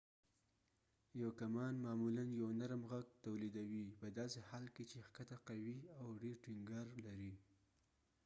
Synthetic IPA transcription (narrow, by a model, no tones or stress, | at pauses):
jawkamɑnmɑmulanjawnaɾmɣaɡ̚t̪awlid̪awipəd̪ɑsehɑlket͡ʃexkat̪aqawiawɖeɾʈiŋɡɑɾlaɾi